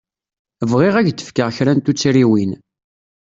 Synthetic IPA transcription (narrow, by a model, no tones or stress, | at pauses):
əvʁiʁæʝd̪ə̥fkəʁçɾænt̪ut͡sːɾiwin